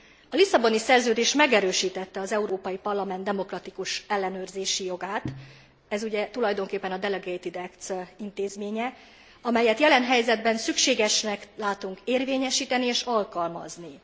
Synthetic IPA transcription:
ɒlisɒbo̞nisɛrzøːd̪eːʃmɛɡɛɾøːʃiːt̪ɛt̪ːɛɒzɛuɾoːpɒjipɒrlɒmɛnd̪ɛmo̞krɒt̪ikuʃɛlːɛnøːrzeːʃijo̞ɡaːt̪ | ɛzuɟɛt̪ulɒjd̪o̞ŋkeːpːɛnɒd̪ɛlɛɡeit̪id̪ɛkt̪sint̪eːzmeːɲɛ | ɒmɛjɛt̪jɛlɛnɦɛjzɛd̪bɛnsykʃeːɡɛʃnɛklaːt̪uŋkeːrveːɲɛʃiːt̪ɛnieːʃɒlkɒlmɒ̰zni

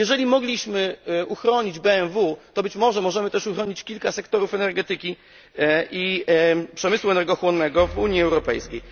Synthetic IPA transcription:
jɛʐɛlʲimɔɡlʲiɕmɘʔuxɾɔɲid͡ʑbɛɛnvut̪ɔbɘt͡ɕmɔʐɛmɔʐɛmɘt̪ɛʂuxɾɔɲit͡ɕkʲilkasɛkt̪ɔɾufɛnɛɾɡɛt̪ɘkʲi | ipʂɛmɘswuɛnɛɾɡɔxwɔnːɛɡɔvuɲjiɛwɾɔpɛ̰jskʲej

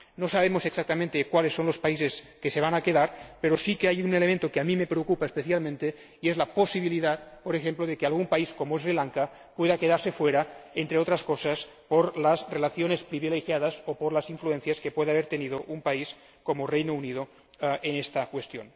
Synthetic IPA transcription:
nosaβ̞emoseksak̚t̪amẽnt̪ekwalesːonlospaiseskeseβ̞anakeðaɾpeɾosikeajunelemẽnt̪okeamimepɾeokupaespeθjalmẽnt̪e | iezlaposiβiliðat̪poɾexemploðekealɣumpaiskomoezɾilaŋka | pweðakeðaɾsefweɾaent̪ɾeot̪ɾaskosas | poɾlazrelaθjonespɾiβilexjaðasopoɾlaziɱfluenθjaskepweðeaβ̞eɾt̪eniðoʔumpais | komorejnounið̞o | enest̪akwest̪jon

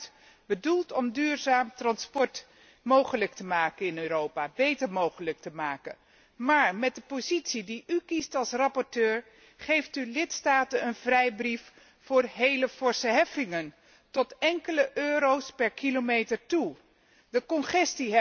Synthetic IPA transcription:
t | bədulˠtɔmdyːɹzaːmtrɑnspɔɹt | mowχələk̚təmaːkənɪnøːɾowpaːbejtəɹmowχələk̚təmaːkə̰ | maːɹmɛt̚dəpozitsidiʔykistɑlˠsrɑpɔɹtøːɹ | χejftylɪtstaːtənənvrɛjbrif | fʊːɹɦejləfɔɹsəɦɛfɪŋən | tɔtɛŋkələʔøːɾowspɛɹkilomejtəɹtu | dəkɔnχɛstiɦ

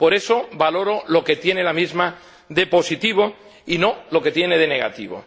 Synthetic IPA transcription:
po̞ɾe̞soβalo̞ɾo̞lo̞ke̞t̪je̞nelamizma | ðe̞po̞sit̪iβ̞o̞ | ino̞lo̞ke̞t̪jene̞ð̞e̞ne̞ɣa̰t̪ḭβo̰

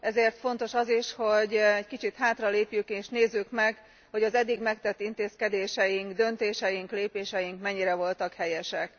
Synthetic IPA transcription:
ʔɛzeːrt̪fo̞nt̪o̞ʃɒziʃho̞ɟɛɟkit͡ʃit̪haːt̪rɒleːpjykeːʃneːzːykmɛɡ | ho̞ɟɒzɛd̪ːiɡmɛkt̪ɛt̪ːint̪eːskɛd̪eːʃɛjiŋɡd̪ø̞nt̪eːʃɛjiŋkleːpeːʃɛjiŋkmɛɲːiɾɛvo̞lt̪ɒkhɛjɛʃɛk

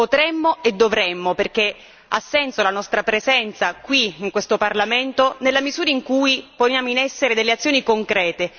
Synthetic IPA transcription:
pot̪ɾɛmːoed̪ːovɾɛmːoperk̟e | a̰sːɛnsolanɔst̪ɾapɾezɛnt̪sakwiiŋkwest̪oparlament̪onelːamizuːɾaiŋkujponjaːmoinɛsːeɾed̪elːeat̪sjoːnikoŋkɾɛːt̪e

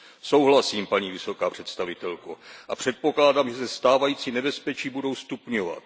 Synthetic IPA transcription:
so̞wɦlasiːmpaɲiːvɪso̞kaːpr̝̥ɛt̪st̪avɪt̪ɛlkoʔapr̝̥ɛt̪̚po̞klaːdamʒɛsɛst̪aːvajiːt͡sinɛbɛspɛt͡ʃiːbudo̞wst̪upɲova̰t̪̚

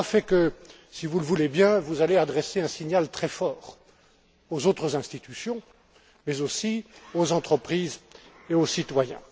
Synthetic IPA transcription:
afɛkə | sivuləvulebjɛ̃vuzalead̪ʁɛseɛ̃siɲalt̪χɛfɔːʁ | ozot̪χəzɛ̃st̪it̪ysjɔ̃ | mɛzosiozɑ̃t̪χəpχiːz | eosit̪wajɛ̰̃

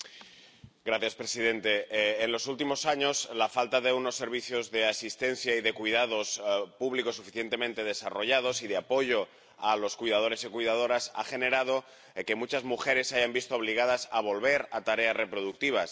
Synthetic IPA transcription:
ɡɾaθjaspɾe̞siðe̞nt̪e̞ːnlo̞sult̪imo̞saɲo̞slafalt̪aðe̞uno̞sːe̞ɾβ̞iθjo̞zðe̞asist̪e̞n̟θjaiðe̞kwiðað̞o̞spuβliko̞sufiθje̞nt̪e̞mẽnt̪e̞ð̞e̞sa̰ro̞ʝaðo̞sið̞e̞apo̞ʝo̞ | alo̞skwuijðað̞o̞ɾe̞sikujðað̞o̞ɾasa̰xe̞ne̞ɾað̞o̞ | ke̞mut͡ʃazmuxe̞ɾe̞saʝambist̪oːβ̞liɣ̞að̞asaβ̞o̞lβe̞ɾat̪aɾe̞asre̞pɾo̞ð̞uk̚t̪iβ̞as

